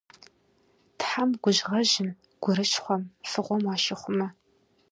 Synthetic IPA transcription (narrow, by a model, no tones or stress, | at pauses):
tħamɡʷʊʑʁɐʑɪm | ɡ̥ʷʊɾɨʃχʷɔmfɨʁʷɔmwɑːʃɪχʷʊmɐ